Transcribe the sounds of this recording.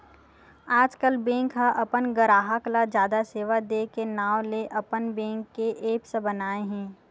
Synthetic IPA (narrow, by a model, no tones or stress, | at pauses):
aːd͡ʒkəlbɛ̃ːŋkɦaʔɐpənɡəɾaːɦəklad͡ʒjaːd̪aseːʋad̪ekenaːʋleʔɐpənbɛ̃ːŋkːeʔeːpsebənaːeɦɛ̃ː